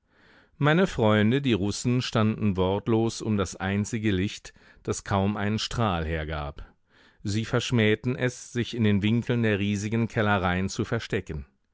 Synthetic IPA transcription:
maɪnəfʁ̥ɔʏndədiːʁʊsn̩ʃtandn̩vɔɐtloːsʊ̰mdasʔaɪnt͡sɪɡəlɪçt | d̥askʰaʊmʔaɪnənʃtʁ̥aːlɦeːɐɡa̰ːp | ziːfɛɐʃmɛːtn̩ʔɛsz̥ɪçɪndeːnvɪŋkʰl̩ndeːɐʁiːzɪɡn̩kʰɛləʁaɪənt͡sufɛɐʃtɛkən̩

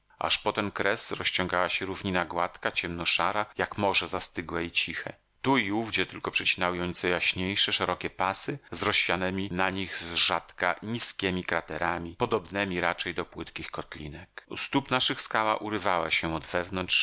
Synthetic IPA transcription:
ʔa̰ʂpɔt̪ɛnkɾɛsɾɔɕt͡ɕɔ̃ŋɡawaɕɛɾuvɲinaɡwat̪kat͡ɕɛmnɔʂaɾajakmɔʐɛzast̪ɘɡwɛit͡ɕixɛ̰ | t̪uiuvɡd͡ʑɛt̪ɘlkɔpʂɛt͡ɕinawjɔ̃t̪sɛjaɕɲejʂɛʂɛɾɔkʲɛpasɘzɾɔɕːanɛmʲinaɲiɣzʐat̪kaɲiskʲɛmʲikɾat̪ɛɾamʲipɔd̪ɔbnɛmʲiɾat͡ʂɛjd̪ɔpwɘt̪kʲixkɔt̪lʲḭnɛkṵst̪upnaʂɘxskawaʔuɾɘvawaɕɛɔd̪vɛvnɔntʂ

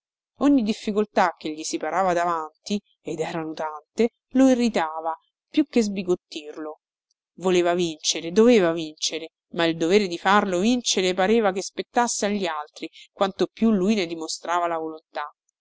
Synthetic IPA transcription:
oɲːid̪ifːikolt̪ak̟ːeʎːisipaɾaːvad̪avant̪i | ed̪ɛːɾanut̪ant̪e | loirːit̪aːva | pjukːezbiɡot̪ːirlo | voleːvavint͡ʃeɾed̪oveːvavint͡ʃeɾe | maild̪oveːɾed̪ifarlovint͡ʃeɾepaɾeːvakespet̪ːasːeaʎːialt̪ɾikwant̪opjulujned̪imost̪ɾaːvalavolont̪a

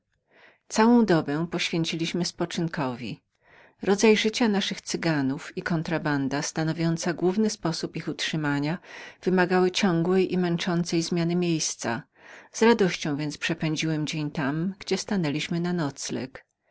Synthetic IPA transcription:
t̪sawɔ̃w̃d̪ɔbɛw̃pɔɕfʲjɛɲt͡ɕilʲiɕmɘspɔt͡ʂɘnkɔvʲḭ | ɾɔd̪zajʐɘt͡ɕanaʂɘxt̪sɘɡanufikɔnt̪ɾaband̪ast̪anɔvʲjɔnt̪saɡwuvnɘspɔsupixutʂɘmaɲav̥ɘmaɡawɘt͡ɕɔ̃ŋɡwɛjʔimɛnt͡ʂɔnt̪sɛjzmʲjanɘmʲjejst̪sa̰ | zɾad̪ɔɕt͡ɕɔ̃w̃vʲjɛnt̪spʂɛpɛ̃ɲd͡ʑiwɛmd͡ʑeɲt̪amɡd͡ʑɛst̪anɛlʲiɕmɘnanɔt̪slɛ̰k

